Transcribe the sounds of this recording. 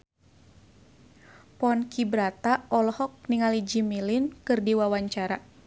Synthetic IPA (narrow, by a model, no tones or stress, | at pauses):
pɔnkibɾat̪aɔlɔhɔk̚niŋalid͡ʒimilinkɨrdiwawaɲt͡ʃaɾa